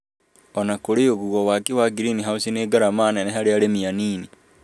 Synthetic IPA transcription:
ɔnakoɾeoɣuɣɔwaːkiwaɡiɾiniɦausineːɡaɾamaːnɛnɛɦaɾeaɾemianiːni

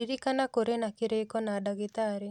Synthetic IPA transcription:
iɾikanakoɾenakɪɾekɔnadaɡɪt̪aɾe

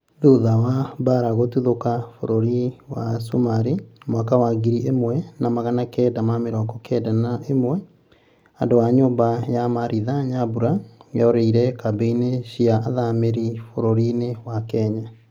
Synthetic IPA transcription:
ðuðawabaɾaɣotuðokafo̰ɾoɾiwasumaɾimwakawaɡiɾiʔemwɛnamaɣanakɛːdamameɾɔɡɔkʰɛdanaemwɛ | andowaɲoːmbajamaɾiðaɲabuɾajɔɾeiɾɛkabeineɕiaːðameɾifoɾoɾinewakɛɲa

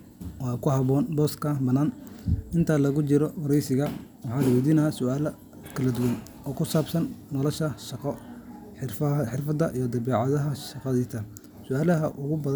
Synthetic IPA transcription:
wɑːkʰʊɦɑβɔːnbɔːskʰɐbɐnːaːnɪnt̪ʰaːlɐɣʊt͡ʃɪɾɔwɑɾɛjsɪɣɐwɑħɑːlɐwid̪iːnasʊaːlɐ | kʰɐlɐd̪ʊwɐn | ɔːkʰʊsaːbsɐnːɔlɐʃɐʃɑqɔ | ħɪrɐħɪrfɐd̪ɐʔijɞd̪ɐβɛːʕɑðɐɦɐʃɑqɑðiːt̪ʰɐ | sʊaːlɐɦɐʔʊɣʊbɐð

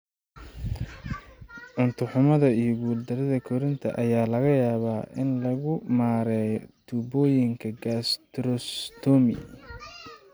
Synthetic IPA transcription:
ʕʊnt̪ʰʊħʊmɐðɐijɔɡuːld̪ɐɾɐðɐkʰɔɾɪnt̪ʰɐ̰ʔɐjaːlɐɣɐjaːβaːʔɪnlɐɣʊmaːɾɛjt̪ʰubɔːjɪŋkʰɐɡast̪ɾɔst̪ʰɔmɪ̰

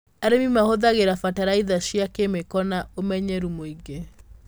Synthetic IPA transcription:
aɾemimahoðaɣeɾafataɾaiðaʃiakemekɔnaomɛɲɛɾumoiɡe

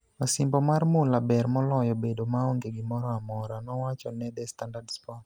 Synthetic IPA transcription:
masɪmbɔmarmʊlabɛrmɔlɔjɔbedomaɔŋɡeɡɪmɔɾɔamɔɾanɔwat͡ʃɔnɛd̪ɛstandardspɔ

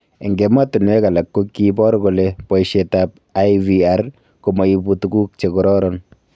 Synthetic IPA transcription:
eŋɡematunwɛkalakːokːipɔɾɡolepɔiʃetap̚aviar | komaibutuɡuk̚t͡ʃekɔɾɔɾɔn

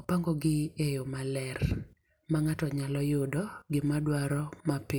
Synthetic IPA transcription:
ɔpaŋɡɔɡɪejomalɛɾ | maŋatɔɲalɔjodɔɡɪmadwaɾɔmapɪ

